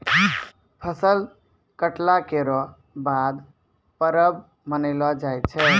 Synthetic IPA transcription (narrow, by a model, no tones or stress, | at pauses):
pʰəsəl | kəʈlakeɾɔ | bad̪ | pəɾəb | mənəɪlɔd͡ʒajt͡ʃʰɛ